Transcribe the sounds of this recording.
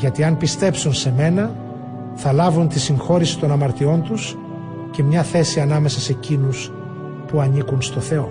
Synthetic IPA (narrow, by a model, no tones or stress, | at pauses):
ʝɐt̪iɐnpist̪e̞psunse̞me̞nɐ | θɐlɐvunt̪isiŋxo̞ɾisi̥t̪o̞nɐmɐɾt̪io̞nt̪us | ce̞mɲɐθe̞siɐnɐme̞sɐse̞cinus | puɐnikunst̪o̞θe̞o̞